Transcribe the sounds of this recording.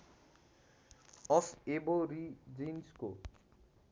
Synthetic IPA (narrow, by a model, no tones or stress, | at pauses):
ɔseboɾid͡ʑinsko